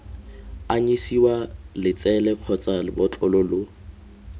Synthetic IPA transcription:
aɲisiwalɪt͡sɛlɛq͡χʰɔt͡sʼalɪbɔt͡ɬʼɔlʊlo

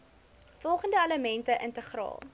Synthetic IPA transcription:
fɔlˠχəndəɐləmɛntəʔəntəχrɑ̰ːlˠ

